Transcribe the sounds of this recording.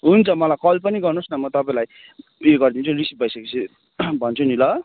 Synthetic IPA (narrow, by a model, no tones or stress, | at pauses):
ɦunt͡sʰʌmʌlajkʌlpʌniɡʌrnosnʌmʌt̪ʌpãĩlaj | eɡʌrd̪int͡sʰurisip̚bʱʌjsʌket͡sʰi | bʱʌnt͡sʰunilʌ